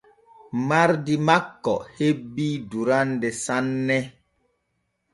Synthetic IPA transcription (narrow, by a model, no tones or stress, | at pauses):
maɾdimakːɔ̰hebiduɾandɛsanːɛ